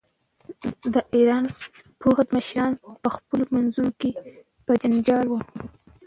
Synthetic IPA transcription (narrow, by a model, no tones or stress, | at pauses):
d̪əʔiɾɑn | pʰohad̪məʃɾɑnpəxpəlomanzunoke | pəd͡ʒand͡ʒɑlwu